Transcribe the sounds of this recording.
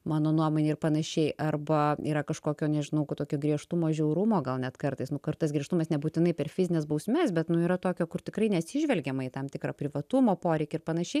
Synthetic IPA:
mɑːnoːnuɔmoːnʲeːɪrpɐnɐʃʲɛɪʔɐrbɐiːɾɐkɐʃkoːkʲoːnʲɛʒʲɪnɐʊkt̪oːkʲoːɡɾʲiɛʃt̪umoːʒʲɛʊɾʊmoːɡɐlˠnʲɛt̪kɐrt̪ɐɪsnʊkɐtt̪ɐsɡɾʲɛʃt̪ʊmɐsnʲɛbuːt̪ʲɪnɐɪpʲɛrfʲɪzʲɪnʲeːsbɐʊsʲmʲɛsbʲɛt̪nʊiːɾɐt̪oːkʲoːkʊrt̪ʲɪkɾɐɪnʲɛɐt̪ʲsʲɪʒʲʋʲɛlʲɡʲɛmɐt̪ɐmt̪ʲɪkɾɑːpʲɾʲɪʋɐt̪umoːpoːɾʲɛɪkʲɪrpɐnɐʃʲɛɪ

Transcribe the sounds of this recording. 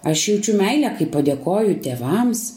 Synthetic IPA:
ɐʃjɛʊt͡ʃʲʊmʲɛɪlʲɛkɐɪpːɐd̪ʲeːkoːjʊt̪ʲeːʋɐms

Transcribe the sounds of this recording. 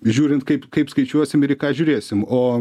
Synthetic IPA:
ʒʲuːɾʲɪnt̪kɐɪpkɐɪpskɐɪt͡ʃʲuɔsʲɪmɪɾʲɪkɑːʒʲʊɾʲeːsʲɪmoː

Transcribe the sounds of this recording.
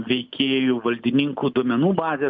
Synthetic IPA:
ʋʲɛɪkʲʰeːjoːʋɐlʲd̪ʲɪnʲɪŋkuːd̪uɔmʲɛnuːbɑːzʲeː

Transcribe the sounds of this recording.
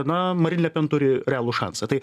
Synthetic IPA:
ɐnɐmɐɾʲɪnʲlʲɛpʲɛnt̪ʊɾʲɪɾʲɛæːlˠʊʃɑ̰nsɐt̪ɐɪ

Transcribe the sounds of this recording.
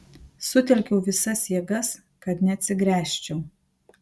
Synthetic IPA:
sʊt̪ʲɛlʲkʲɛʊʋʲɪsɐsjiɛɡɐs | kɐt̪nʲɛɐt̪ʲsʲɪɡɾʲæːʃʲt͡ʃʲɛʊ

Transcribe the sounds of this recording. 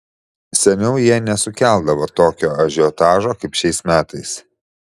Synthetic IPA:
sʲɛnʲɛʊjiɛnʲɛsʊkʲæˑlˠd̪ɐʋoːt̪oːkʲoːɐʒʲɪɔt̪ɑːʒoːkɐɪpʃʲɛɪsmʲæːt̪ɐɪs

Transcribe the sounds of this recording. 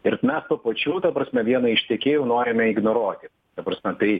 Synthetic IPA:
ɪɾmʲɛspɐpɐt͡ʃʲuːt̪ɐpɾɐsʲmʲɛʋʲiɛnɐɪʃʲt̪ʲɛkʲeːjʊːnoːɾʲɪmʲɛɪɡnoɾuɔt̪ʲɪ | t̪ɐpɾɐsʲmʲɛt̪ɐɪ

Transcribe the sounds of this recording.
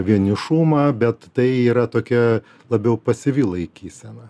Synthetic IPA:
ʋʲiɛnʲɪʃuːmɐbʲɛt̪t̪ɐɪiːɾɐt̪oːkʲɛ | lˠɐbʲɛʊpɐsʲɪʋʲiːlˠɐɪkʲiːsʲɛnɐ

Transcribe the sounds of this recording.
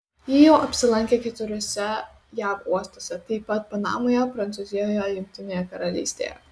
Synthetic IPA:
jɪjoːʔɐpʲsʲɪlˠɐŋʲkʲɛkʲɛt̪ʊɾʲoːsʲɛ | jæːʋuɔst̪oːsʲɛt̪ɐɪpːɐt̪̚pɐnɑ̰ːmoːjoːpɾɐnt̪sʊzʲɪjoːjojʲʊŋʲk̚ʲt̪ʲɪnʲeːjɛkɐɾɐlʲḭːsʲt̪ʲḛjɛ̰

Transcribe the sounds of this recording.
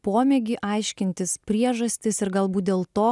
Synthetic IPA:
poːmʲeːɡʲɪʔɐɪʃʲkʲɪnʲt̪ʲɪspʲɾʲiɛʒɐsʲt̪ʲɪsɪɾɡɐlˠbuːt̪̚d̪ʲeːlˠt̪oː

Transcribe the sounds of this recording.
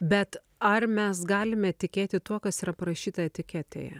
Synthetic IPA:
bʲɛt̪ | ɐɾmʲɛs̬ɡɑːlʲɪmʲɛt̪ʲɪkʲeːt̪ʲɪt̪uɔkɐsiːɾɐpɐɾɐʃʲiːt̪ɐɛt̪ʲɪkʲɛt̪ʲḛːjɛ̰

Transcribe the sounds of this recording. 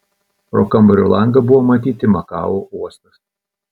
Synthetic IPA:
pɾo̰kɐmbɐɾʲṵlˠɐŋɡɐbʊʋoːmɐt̪ʲiːt̪ʲɪmɐkɑ̰ːʋouɔst̪ɐs

